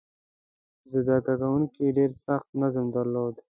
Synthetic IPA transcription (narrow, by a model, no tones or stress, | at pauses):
zɪd̪akaɡawuŋkiɖeːɾsaxt̪̚nazəmd̪aɾloːd̪